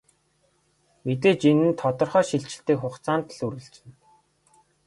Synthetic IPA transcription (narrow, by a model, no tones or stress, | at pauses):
met̪̬eːt͡ɕinɘ̆nt̪ʰɔt̪ɞ̆rχœːʃiɬt͡ɕɪ̥̆ɬt̪iːkχʊχt͡saːnt̪ɮuɾɘ̆ɮt͡sɘ̆n